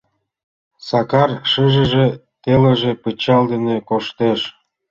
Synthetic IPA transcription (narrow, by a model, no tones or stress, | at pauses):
sɑkɑrʃɯʒə̆ʒĕt̪elĕʒepət͡ɕɑld̪enekoʃt̪eʃ